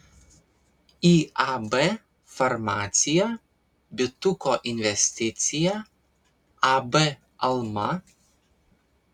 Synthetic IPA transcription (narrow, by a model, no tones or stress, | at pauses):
iabɛ | fɐɾmaːt̪sʲɪjæ | bʲɪt̪ʊkɔʔɪnʲʋʲɛsʲt̪ʲɪt̪sʲɪjæ | abɛ | ɐlˠmɐ